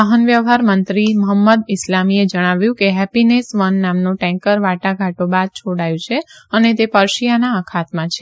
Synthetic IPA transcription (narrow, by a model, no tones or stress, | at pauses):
aɦənʋjəʋɦaɾmənt̪ɾiməɦəmːəd̪ɪslamied͡ʒəɽ̃aʋjũkeɦɛpinesʋənːamnõʈɛ̃ŋkəɾʋaʈaɡʱaʈobad̪̚t͡ʃʰoɽajũt͡ʃʰeənet̪epəɾʃijanaəkʰat̪mãt͡ʃʰe